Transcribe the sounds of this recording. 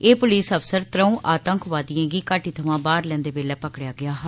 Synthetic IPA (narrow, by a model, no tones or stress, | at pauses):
eːpʊliːsəfsəɾt̪ɾəũːʔaːt̪əŋkʰʋaːd̪ijãːɡiːkaːʈiːt̪ʰəʋãːbaːɾlɛ̃ːnd̪eːbeːlɛːpəkɽjaːɡɪaːɦ